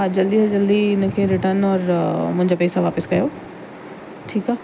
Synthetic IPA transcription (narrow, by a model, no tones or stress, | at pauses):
ɦad͡ʑɐld̪iɦɐd͡ʑɐld̪iɪnə̆kʰeːɾɪʈəɾnɔːɾmʊ̃ɦɪ̃ɲd͡ʑapɛːsaʋaːpəskɐjoː | ʈʰiːkaɦ